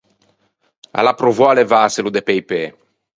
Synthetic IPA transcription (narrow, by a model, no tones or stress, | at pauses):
a̰lapɾovɔalevaːselud̪epejpe